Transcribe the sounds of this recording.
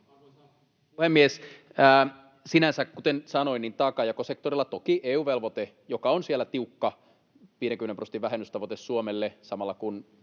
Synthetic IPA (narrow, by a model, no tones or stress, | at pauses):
puhemːiesː | sinænsækkut̪ensɑnoiniːnt̪ɑːkɑjɑkosek̚t̪orilːɑt̪okiʔeːuːʋelʋot̪e | jokɑonsielːæt̪iukːɑ | ʋiːɾeŋkymeneprosent̪iʋæɦenːyst̪ɑʋot̪essuomelːesɑmɑlːɑkun